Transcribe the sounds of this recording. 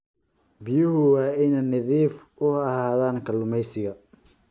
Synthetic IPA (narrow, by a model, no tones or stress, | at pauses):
bɪjʊhʊwɑːɪnɛnɐðiːf | ʊɐhaːðaːŋkʰɐlʊmɛjsɪɣɐ